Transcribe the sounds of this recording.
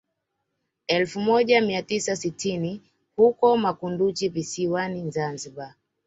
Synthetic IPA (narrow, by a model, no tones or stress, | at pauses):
ɛlfumɔʄamiatisasitini | hukɔmakundut͡ʃivisiwanizanziɓa